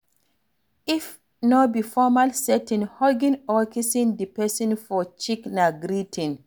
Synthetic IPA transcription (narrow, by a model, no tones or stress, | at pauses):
ʔif | nɔbifɔmalsɛtĩnhɔɡĩnɔkisĩndipɛsĩnfɔt͡ʃiknaɡɾitʰĩn